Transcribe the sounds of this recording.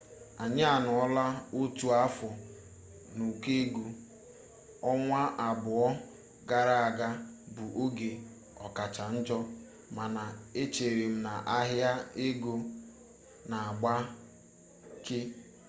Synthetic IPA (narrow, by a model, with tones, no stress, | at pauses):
a˨ɲɪ˦a˨nʊ˨ɔ˦la˦o˦tu˦a˦fɔ˨ | nu˨ke˦e˦ɡu˦ | ɔ˦ŋʷa˦ʔa˨bʊ˨ɔ˦ | ɡa˦ɾa˦a˨ɡa˦bʊ˨ʔo˦ɡe˨ | ɔ̰˨ka˨t͡ʃa˨n̩˦d͡ʒɔ˦ | ma˨na˨e˦t͡ʃe˨ɾe˨m̩˨na˨ʔa˦ɦja˦e˦ɡo˦ | na˨a˨ɡ͡ba˦ | kɪ˦